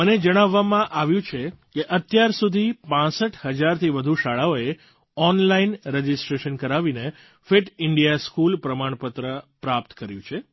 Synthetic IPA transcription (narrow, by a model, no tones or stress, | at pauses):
məned͡ʒəɽ̃aʋːamãʔaʋjũt͡ʃʰekeʔət̪jaɾsud̪ʱipãsəʈʰhəd͡ʒaɾt̪ʰiʋəd̪ʱuʃaɭaoe | ɔnlainɾəd͡ʒɪsʈɾeʃənkəɾaʋine | feʈɪɳɖijaskulpɾəmaɳ̃pət̪ɾəpɾap̚t̪kəɾjũt͡ʃʰe